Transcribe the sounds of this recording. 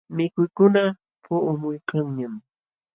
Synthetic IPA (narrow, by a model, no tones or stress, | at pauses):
mɪkʊjkʊna | pʰʊʊmʊjkaŋɲam